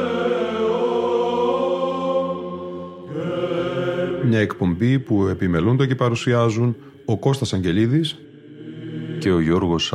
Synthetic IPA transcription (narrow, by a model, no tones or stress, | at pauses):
mɲɐekpo̞mbipue̞pime̞lund̪ece̞pɐɾusiɐzun | o̞ko̞st̪ɐsɐɲɟe̞liðis | ce̞o̞ʝo̞ɾɣo̞s